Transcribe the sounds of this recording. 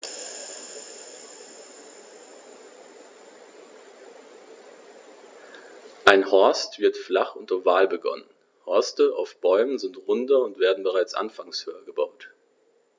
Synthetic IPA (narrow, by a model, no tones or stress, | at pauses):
ʔaɪnhɔɐstv̥ɪɐtflaχʔʊntɐvaːlbəɡɔ̰nən | hɔɐstəʔa̰ʊfb̥ɔʏmənzɪntʁʊndɐʊntv̥eːɐdn̩bəʁaɪt͡sʔa̰nfaŋshøːɐɡəbaʊt